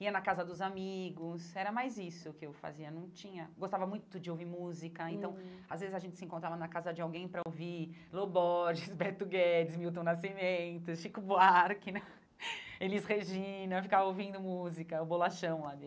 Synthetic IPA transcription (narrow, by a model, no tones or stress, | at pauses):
iɐnɐkazɐd̪ʊzamiɡʊsɛɾɐmajzisʊkɪewfa̰ziɐnɐ̃w̃t͡ʃĩɲɐɡost̪avɐmũj̃t̪ʊd͡ʒɪowviɾmuzikɐẽnt̪ɐ̃w̃azvezɪzɐʒẽnt͡ʃɪ̥sɪẽŋkõnt̪ɾavɐnɐkazɐd͡ʒɪawɡẽj̃pɾɐovilobɔʒɪsbɛt̪ʊɡɛd͡ʒɪsmiwt̪õnasimẽnt̪ʊʃikubaɾkinɐ | elisheʒĩnɐfikavɐowvĩnd̪ʊmuzikɐʊbolaʃɐ̃w̃lad̪e